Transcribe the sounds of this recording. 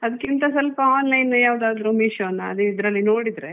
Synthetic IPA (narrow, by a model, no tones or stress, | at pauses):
ɐd̪ɐkːint̪ɐsɐlpɐaːnlɐjnːujaːʋd̪aːd̪ɾumiʃɐʋɐnːɐɐ̰d̪uid̪ɾɐlːinoːɽid̪ɐɾe